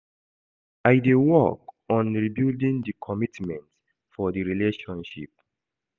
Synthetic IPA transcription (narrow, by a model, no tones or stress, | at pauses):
ajdewɔkɔ̃nɹibildĩŋdikʰɔmitmɛ̃nt | fɔdiɹileʃɔ̃nʃḭp̚